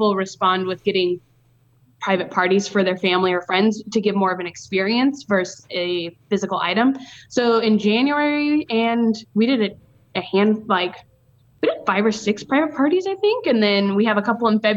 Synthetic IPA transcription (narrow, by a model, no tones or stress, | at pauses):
l̩ˠɹɨspɑ̃nd̚wɨðɡɛɾɪ̃ŋ | pʰɹ̥aɪvɨt̚pʰɑɹɾiz̥fə˞ðə˞fæ̃mliə˞fɹɛ̃ndz̥tʰɨɡɪvmɔɹʌvɨ̃nɨkspɪɹiɨ̃nsvɜ˞sɨfɪzɨkl̩ˠa̰ɪɾɨ̃msoʊɨ̃nd͡ʒæ̃njuɛɹiɨ̃nwiɾɨɾɨɾ | ɨhæ̃nlaɪk | wiɾɪfaɪvə˞sɪkspʰɹ̥aɪvɨt̚pʰɑɹɾizaɪθɪ̃ŋkɨ̃nðɨ̃nwiɨvəkʰʌpl̩ˠə̃nfɛb